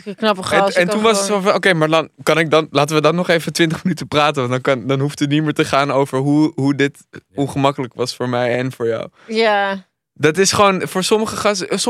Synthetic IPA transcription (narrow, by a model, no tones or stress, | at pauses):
knɑpəχɛɛntunʋɑsətsofɔnowkejmaːɹdɑnkɑnɪɡ̚dɑnlaːt̬əʋədɑnːɔχejvətʋɪntəχmənytəpraːtənʋɑndɑnkɑndɑnɦuftətnitmɪːɹtəχaːnowvəɹɦuɦudɪt | ɔnχəmɑkələkʋɑsfʊːɹmɛjɛnfʊːɹja̰w | ja | dɑtɪsχəʋownfʊːɹsɔməχəχɑss